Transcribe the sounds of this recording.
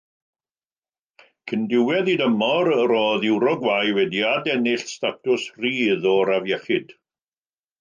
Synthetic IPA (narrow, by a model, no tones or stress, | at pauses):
kʰəndɪwɛðidəmɔɾəɾoːðɪwɾɔɡwajwɛdiadɛnɪɬstatʰʊsriːðɔɾavjɛχɪd̥